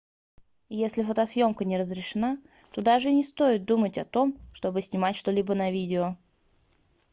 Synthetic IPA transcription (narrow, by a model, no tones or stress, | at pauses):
jesʲlʲɪfət̪ɐsjo̞mkənʲɪɾəzɾʲɪʂɨna | t̪o̞d̪aʐɨnʲɪst̪o̞jɪt̪̚d̪umətʲɐt̪o̞mʂt̪o̞bɨsʲnʲɪmatʲʂt̪o̞lʲibənɐvʲidʲɪo